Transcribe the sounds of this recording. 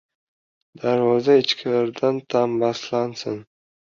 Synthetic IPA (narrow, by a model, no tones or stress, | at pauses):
d̪̥aɾvɒzaɪt͡ʃkʲʰɪlaɾd̪ant̪ʰambaslansɪn